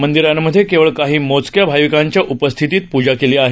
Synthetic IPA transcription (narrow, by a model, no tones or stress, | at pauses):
mənd̪iɾjanːəd̪ʱːjekeʋəɭkaɦiːmot͡skjabʱajʋikaɲt͡ɕjaʔupəst̪ʰit̪iːt̪̚pud͡ʑakeliaɦe